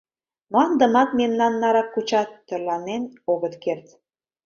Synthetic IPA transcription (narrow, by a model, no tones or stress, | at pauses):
moɑnd̪ə̆mɑt̪memnɑnːɑɾɑkːut͡ɕɑt̪ːørlɑnenoɣət̪kert̪